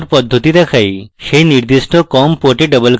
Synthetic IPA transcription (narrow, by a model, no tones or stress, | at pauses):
ɾpɔd̪ʱːot̪it̪akʰajʃejniɾd̪iʃʈokɔmpoʈeɖɔbolk